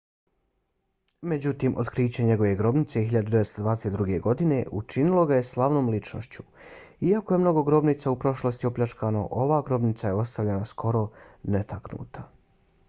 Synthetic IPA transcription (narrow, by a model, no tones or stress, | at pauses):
me̞d͡ʑut̪iːmʔo̞̰t̪kɾiːt͡ɕeɲe̞ɡo̞ʋe̞ɡɾo̞bnit̪se̞ɦiʎad̪ud̪eest̪od̪ʋaːd̪eset̪d̪ɾuɡe̞ɡo̞d̪ine̞ʔut͡ʃinilˠo̞ɡaje̞slˠaʋno̞ːmlit͡ʃno̞ʃt͡ɕu̥ | iakoje̞mno̞ɡo̞ɡɾo̞bniːt̪saupɾo̞ʃlo̞st̪io̞pʎʲat͡ʃkano̞̰ʔo̞ʋaːɡɾo̞bnit̪saje̞o̞st̪aʋʎenaskʰo̞ɾo̞net̪ʰaknṵːt̪ʰa